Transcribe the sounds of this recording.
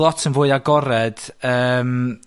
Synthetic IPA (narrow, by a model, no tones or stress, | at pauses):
ɔtʰənvoːɨaɡɔɾɛd̥əːm